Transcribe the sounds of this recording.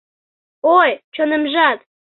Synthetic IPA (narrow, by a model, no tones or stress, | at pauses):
ojt͡ɕonəmʒɑt̪